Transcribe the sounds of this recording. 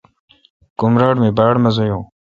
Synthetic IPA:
kumɾaːɽmeːbaːɽmɐzojõː

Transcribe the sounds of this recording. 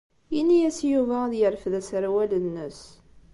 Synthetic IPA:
inːijæsjuvæðjəɾfðæsɾawælənːəs

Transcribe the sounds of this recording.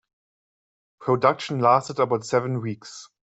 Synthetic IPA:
pʰɹ̥odʌkʃə̃n̩lastədəbaʊtsɛvə̃nwiːks

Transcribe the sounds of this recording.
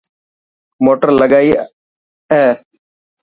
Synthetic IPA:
moːʈəɾləɡaːiː | ɛː

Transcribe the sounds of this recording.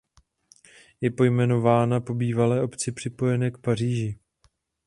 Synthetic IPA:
jɛpo̞jmɛno̞vaːnapo̞biːvalɛːʔo̞pt͡sɪpr̝̥ɪpo̞jɛnɛːkpar̝iːʒɪ

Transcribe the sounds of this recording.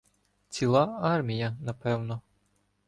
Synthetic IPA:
t͡sʲilˠɑɑrmʲijɐnɐpɛwnɔ

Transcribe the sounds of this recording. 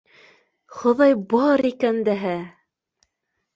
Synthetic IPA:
χŏðɑjbɑɾikænd̪æɦæ

